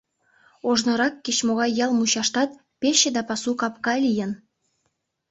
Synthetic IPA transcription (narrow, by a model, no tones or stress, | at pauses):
oʒnŏɾɑkːet͡ɕmoɣɑjːɑlmuɕɑʃt̪ɑt̪̚ | peɕĕd̪ɑpɑsukɑpkɑlʲijən